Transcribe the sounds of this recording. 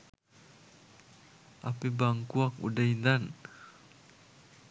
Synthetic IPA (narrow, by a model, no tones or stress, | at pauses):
ʔapibaŋkuak̚ṵdaidan